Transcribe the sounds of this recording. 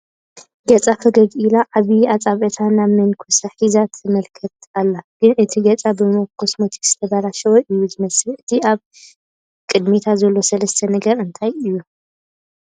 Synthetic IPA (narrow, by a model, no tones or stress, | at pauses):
ɡɐt͡sʼafɐɡɐdilaʕaβiat͡sʼaβɐt̪ʰanamɨnkʰosaħizat̪ʰɨmɐlkʰɐt̪alːaɡ̥ɨnʔɨt̪ʰiɡɐt͡sʼabɨmokʰːosmot̪ʰi̥kz̥ɨt̪ʰɐbaɾaʃɐwoʔɨjːuzɨmɐsɨlɨt̪ʰiʔaβ | kʼɨd̪mit̪ʰazɐlːo̞sɐlɐst̪ʰɐnɐɡɐɾɨnt̪ʰajɨjːu